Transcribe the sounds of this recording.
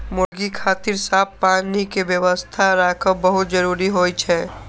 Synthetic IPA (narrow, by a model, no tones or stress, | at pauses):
mʊɾɡikʰaːt̪ɪɾsaːpːaːnikeʋjəʋəst̪ʰaɾaːkʰəbəɦʊt̪̚d͡ʒəɾuːɾiɦoːjt͡ʃʰɛ